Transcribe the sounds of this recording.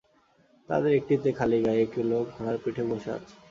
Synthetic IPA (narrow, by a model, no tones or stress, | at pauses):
t̪a̰d̪eɾek̚ʈit̪ekʰaliɡajekilokɦɔɽ̃aɾpiʈʰemojʃaa̰t͡ɕʰe̥